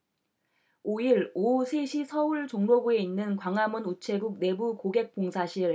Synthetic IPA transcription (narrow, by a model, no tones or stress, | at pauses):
oiɾosʰe̞ɕʰisʰʌuɭt͡ɕoŋɾoɡue̞inːɯnkwaŋamunut͡ɕʰe̞ɡuk̚ne̞bukoɡe̞k̚p͈oŋsʰaɕʰiɾ